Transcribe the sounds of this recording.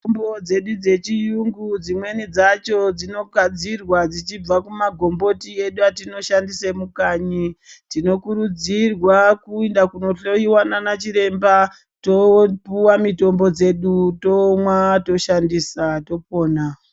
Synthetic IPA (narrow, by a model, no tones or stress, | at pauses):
mbod͡ze̞ɗud͡ze̞t͡ʃijuŋɡud͡zimwe̞nid͡zat͡ʃo̞d͡zino̞ɡʱad͡zirwad͡zit͡ʃib͡vakumaɡʱo̞mbo̞tie̞ɗuatino̞ʃandisemukaːɲitino̞kuɾud͡zirwakuindakuno̞ɬoiwananat͡ʃiɾe̞mba | to̞puwamito̞mbo̞d͡ze̞ɗuto̞mwato̞ʃandiːsato̞p̚o̞ːna